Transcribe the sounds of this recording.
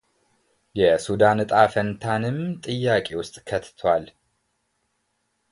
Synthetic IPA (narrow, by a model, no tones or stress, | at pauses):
jɛsud̪ant̪ʼafənt̪ʰanɨmt̪ʼɨjːakʼewʊst̪ʼkʰət̪t̪ʰwal